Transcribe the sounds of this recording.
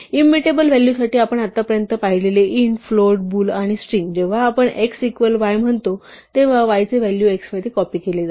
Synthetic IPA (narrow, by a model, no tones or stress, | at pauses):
imːiʈebəlʋæljusaʈiːapəɳat̪ːapəɾjənt̪əpaɦileleʔinfloʈ̚buːlaɽ̃isʈɾiŋɡd͡ʑeʋ̤aːpəɳeksikʋəlʋajm̤əɳt̪ot̪eʋaʋajt͡seʋæljueksmad̪ikɔpiːkeled͡za